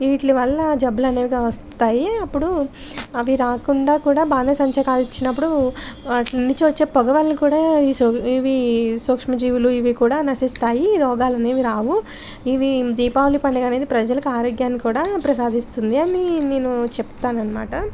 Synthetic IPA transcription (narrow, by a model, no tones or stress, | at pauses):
iːʈliʋɐɭːɐd͡ʒɐbːɐlɐneːʋiɡaʋɐstt̪aːjiɐpːuɽu | ɐʋiɾaːkuɳɖaːkuːɽaːbaːneːsɐɲt͡ʃɐkaːlit͡ʃːinɐpːuɽuɐnːiɲt͡ʃuʋɐt͡ʃːe̞ːpɔɡɐʋɐlːukuːɽaːiiʋisoːkʂmɐd͡ʒiːʋuluiʋikuːɽaːnɐsist̪aːjiɾɔːɡaːlɐne̞ːʋiɾaːʋu | iʋid̪iːpaːʋɐlipɐɳɖeɡɐne̞ːd̪ipɾɐd͡ʒɐlɐkuaːɾoːɡjaːnːikuːɽaːpɾɐsaːd̪ʱist̪und̪iɐnine̞ːnut͡ʃep̚t̪aːnɐnːɐma̰ːʈɐ